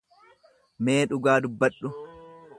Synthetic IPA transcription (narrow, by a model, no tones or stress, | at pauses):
me̞ːᶑʊɡaːd̪ʊbːɐɗːʊ